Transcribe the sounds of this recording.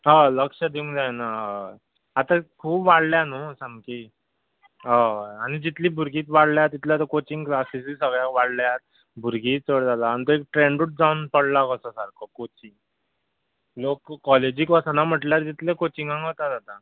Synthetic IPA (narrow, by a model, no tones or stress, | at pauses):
ɦaləkʂəd̪iũŋd͡zajnaɦa | at̪akʰuːpʋaɽljanosamki | ɦaaɽ̃id͡ʑit̪liːbʱuɾɡiːt̪ʋaɽljat̪it̪laat̪̬əkot͡ɕiŋɡklasisisəɡɭjaʋaɽljat̪̚ | bʱuɾɡiːəɽd͡zalaːñit̪oek̚ʈɾeɳɖuʈ̚d͡zaunpəɽlakəsasaɾkʰɔkot͡ɕiŋ | lokːɔled͡ʑiːkʋɔsanam̤əʈljaɾd͡ʑit̪lẽkot͡ɕiŋɡãŋɡot̪ad͡zat̪a